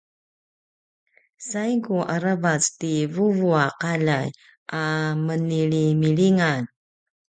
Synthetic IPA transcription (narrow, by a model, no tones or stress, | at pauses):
sajkuʔaɾavat͡stivuvuaqalaj | ʔaməniɭimiɭiŋan